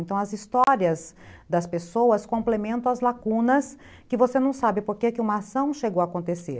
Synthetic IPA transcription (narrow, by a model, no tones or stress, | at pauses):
ẽnt̪ɐ̃w̃ɐzist̪ɔɾiɐzd̪ɐspesowɐskõmplemẽnt̪ɐ̃w̃ɐzlakũnɐs | kɪvosenɐ̃w̃sabɪpoɾkekɪũmɐasɐ̃w̃ʃeɡowakõnt̪esḛɾ